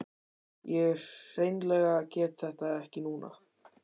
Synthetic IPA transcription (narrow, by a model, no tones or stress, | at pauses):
jɛɛɾ̥sejnlɛːɣacɛːt̪θɛht̪aɛhcɪnuːna̰